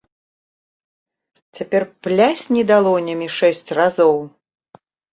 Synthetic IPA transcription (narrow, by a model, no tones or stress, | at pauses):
t͡sʲapʲɛrplʲasʲnʲɛd̪alˠɔnʲɐmʲiʂɛsʲt͡sʲrazɔw